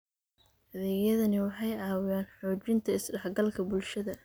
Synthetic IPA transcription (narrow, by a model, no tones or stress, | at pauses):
hɐðɛːjɐðɐnɪwɑħɑjɑːwɪjaːnħuːt͡ʃɪnt̪ʰɐɪsɖɐħɡɐlkʰɐbʊlʃɐðɐ